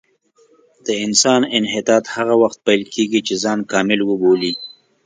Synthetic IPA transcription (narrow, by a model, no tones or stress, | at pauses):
d̪̥əɪnsɑnɪnɦɪt̪ɑːt̪haɣawaxt̪̚pajlkeɡit͡ʃezɑːnkɑmɪlwəboli